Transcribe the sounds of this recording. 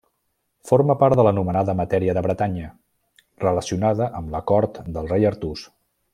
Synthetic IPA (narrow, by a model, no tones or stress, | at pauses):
foɾməpaɾðələnumənaðəmət̪ɛɾiəðəβɾət̪aɲə | rələsiunaðəʔəmləkɔɾt̪d̪əlˠrejəɾt̪us